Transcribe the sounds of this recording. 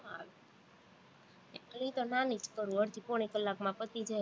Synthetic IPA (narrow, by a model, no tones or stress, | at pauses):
a | ələɦĩt̪onanit͡ʃkəɾũəɽt̪ʰipɔɽ̃ikəlːakmãpət̪id͡ʒa